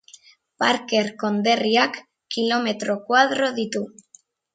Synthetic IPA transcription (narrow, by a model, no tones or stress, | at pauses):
paɾkeɾkond̪eriakː | ilomet̪ɾokwaðɾoðit̪u